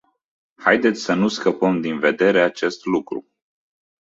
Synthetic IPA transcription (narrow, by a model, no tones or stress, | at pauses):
hajd̪e̞t̪sʲsənuskəpəmd̪inve̞d̪e̞ɾe̞at͡ʃe̞st̪lukɾṵ